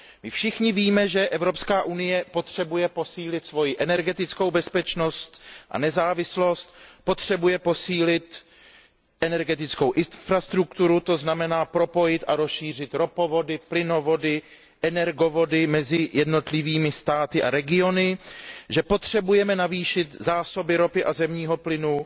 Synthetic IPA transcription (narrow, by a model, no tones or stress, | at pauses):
mɪfʃɪxɲɪviːmɛʒɛʔɛvɾo̞pskaːʔunɪjɛpo̞t̪r̥ɛbujɛpo̞siːlɪt̪svo̞jɪʔɛnɛɾɡɛt̪ɪt͡sko̞wbɛspɛt͡ʃno̞st̪ʔa̰nɛzaːvɪslo̞st̪̚po̞t̪r̝̥ɛbujɛpo̞siːlɪt̪ | ʔɛnɛɾɡɛt̪ɪt͡sko̞wʔɪfɾast̪ɾukt̪uɾut̪o̞znamɛnaːpɾo̞po̞jɪt̪ʔaɾo̞sʃiːr̝ɪt̪ɾo̞povo̞dɪplɪno̞vo̞dɪ | ʔɛnɛɾɡo̞vo̞dɪmɛzɪjɛdno̞t̪lɪviːmɪst̪aːt̪ɪʔaɾɛɡɪo̞nɪʒɛpo̞t̪r̝̥ɛbujɛmɛnaviːʃɪt̪zaːso̞bɪɾo̞pɪʔazɛmɲiːɦo̞plɪnu